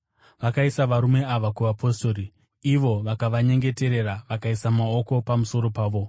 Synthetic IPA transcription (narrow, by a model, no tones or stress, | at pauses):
ʋakaisaʋaɾume̞aʋakuʋapʰo̞sto̞ːɾi | iʋo̞ʋakaʋaɲe̞ŋɡe̞te̞ɾe̞ɾaʋakaisamao̞ko̞pamuso̞ɾo̞paːʋo̞